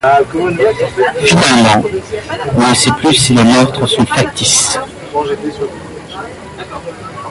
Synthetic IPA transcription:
finalmɑ̃ | ɔ̃nəsɛplysːilemœʁt̪χəsɔ̃fak̚t̪is

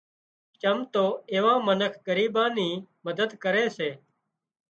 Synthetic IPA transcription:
t͡ʃəmt̪oːeːʋãːmənəkʰɡəɾiːbãːniːməd̪əd̪kəɾeːseː

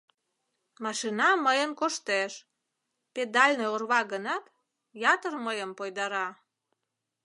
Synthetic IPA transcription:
mɑʃinɑməjənkoʃt̪eʃ | ped̪ɑlʲneorβɑɡənɑt̪ | jɑt̪ərməjəmpojd̪ɑɾɑ

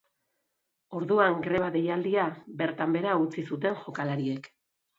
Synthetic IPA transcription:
o̞ɾðuaŋɡɾe̞β̞aðe̞jald̪iabe̞ɾt̪ambe̞ɾaut͡sisut̪̬e̞ŋʝo̞kalaɾie̞k

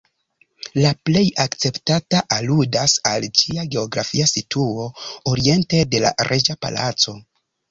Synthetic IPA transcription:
laple̞jakt͡se̞ptataʔaludasald͡ʒiaɡe̞oɡɾafiasitʰuo̞oɾie̞nte̞de̞la̰ɾʔe̞d͡ʒapa̰la̰t͡so̞

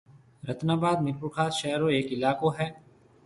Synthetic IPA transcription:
ɾɐt̪naːbaːd̪mɪɾpukʰaːt̪ʃɛɦɾoeːkɪlaːkoɦɛː

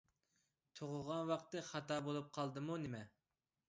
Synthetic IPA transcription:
t̪ʰoʁʊʁɑnwɑqt̪ɨχɑt̪ɑːbolˠup̚qʰɑlˠd̪ɨmunɪmɛ

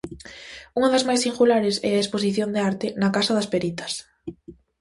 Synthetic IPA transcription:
uŋɐðɐzmajsiŋɡulaɾesɛ̰ɐesposiθjond̪eaɾt̪ɪnɐkasɐðɐspeɾit̪ɐ̥s

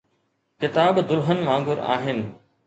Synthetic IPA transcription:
kɪt̪aːbd̪ʊlɦənʋãːŋɡʊɾa̰ːɦɪnɪ̆

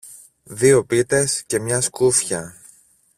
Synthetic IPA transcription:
ðio̞pit̪e̞sce̞mɲɐskufçɐ

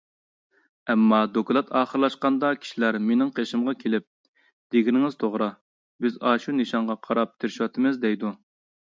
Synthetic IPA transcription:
ɛmːɑd̪okʰlˠɑt̪ʰɑːχəɾlˠɑʃqɑnd̪ɑkʲʰi̥ʃilæɾmenɪŋqʰeʃɪmʁɑkʲʰelɪp̚ | d̪̥eɡʲinɪŋɪz̥t̪ʰoʁɾɑ | bɪzɑːʃunɨʃɑɴʁɑqʰɑɾɑp̚t̪ʰeɾɪʃwɑt̪ʰɨmɨzd̪ɛjd̪u

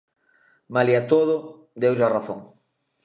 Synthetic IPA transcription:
maliat̪oðʊ | d̪ewʒaraθõ̰ŋ

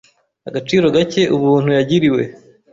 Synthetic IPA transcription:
a̰ɡat͡ʃiːɾo̞ɡace̞ʔuβuːn̥hujaɟiɾiwe̞

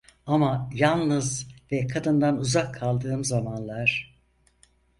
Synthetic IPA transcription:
amajalˠnɯzvɛkʰad̪ɯnd̪anuzakʰːalˠd̪ɯːmzamanlˠaɾ̥

